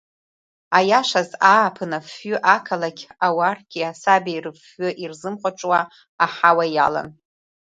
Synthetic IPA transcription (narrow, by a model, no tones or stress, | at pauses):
ajaʃʷazaːpʰɨnafʏʔakʰalakʲawarɡʲʼiasabajrɨfːʊʔirzɨmχʷaʈ͡ʂʷʼwaː | ħawaja̰la̰n